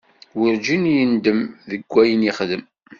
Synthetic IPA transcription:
wiɾd͡ʒinjənd̪əmðəɡʷːæjəniχðəm

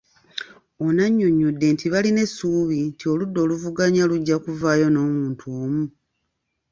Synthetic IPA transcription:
onaɲːoɲːudːe̞ntʰiβaline̞sːuːβintio̞ludːo̞ːluvuɡaɲaluɟːakuvaːjo̞no̞ːmuːntʰuoːmu

